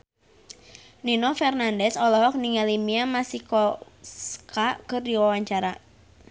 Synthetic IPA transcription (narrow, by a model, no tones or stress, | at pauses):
ninɔfɛrnandɛsɔlɔɦɔk̚niŋalimiamasikɔskakɨrdiwawaɲt͡ʃaɾa